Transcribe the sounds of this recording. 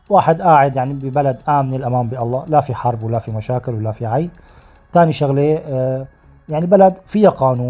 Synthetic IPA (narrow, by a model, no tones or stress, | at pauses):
waːħɪd̪ʔaːʕɪd̪jaʕnibɪbalad̪ʔaːmnɪlʔamaːmbɪʔɑlˤːɑːlafiħɑɾˤbwɪlːafimaʃaːkɪlwɪlːafiʕaj | t̪aːniʃaɣleː | jaʕnibalad̪fijaqɑːnuː